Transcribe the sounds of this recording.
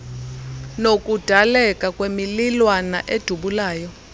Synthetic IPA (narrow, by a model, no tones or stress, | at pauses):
nokʼud̥ʱalɛkʼakʼwemililwana̰ʔed̥ʱuɓulaːjɔ